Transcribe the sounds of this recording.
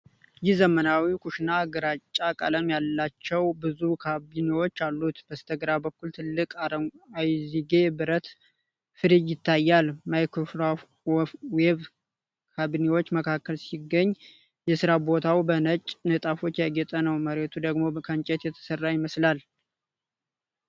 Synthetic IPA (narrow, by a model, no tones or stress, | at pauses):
jɪhzəmənawikʰuʃnaɡəɾat͡ʃʼːakʼə̰ləmjalːat͡ʃːɛwbɨzukʰabinewo̞t͡ʃːalːut̪b̥əst̪ʰəɡɾabəkːult̪ʰɨlːɨkʼajziɡe̞bɨɾət̪ | fɨɾijːɪt̪ʰːajːalmajkʰofɾa | wɛβ | kʰabiniwo̞t͡ʃːməkʰakːəlsiɡːəɲː | jɛsɨɾabo̞t̪ʰawbənət͡ʃʼnət̪ʼafo̞t͡ʃːjaɡɛt̪ʼənəwməɾe̞t̪ʰud̪əɡmo̞kʰənt͡ʃʼɛt̪jɛt̪ʰə̥sərːajɪməslal